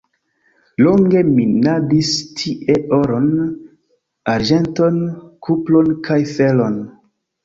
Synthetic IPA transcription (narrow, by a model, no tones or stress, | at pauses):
loŋɡe̞minadistʰiʔe̞ʔoɾon | aɾd͡ʒe̞nto̞nkʰuplo̞nkʰajfelon